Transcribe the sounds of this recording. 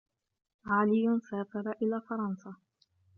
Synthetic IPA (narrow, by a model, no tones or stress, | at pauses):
ʕaːlɪjʊnsaːfɑɾˤɑʔɪlaːfɑɾˤɑnsɑ